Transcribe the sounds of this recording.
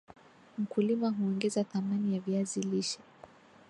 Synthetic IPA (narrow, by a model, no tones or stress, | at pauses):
m̩kulimaɦuɔŋɡɛzaθamanijaviaziliʃɛ̥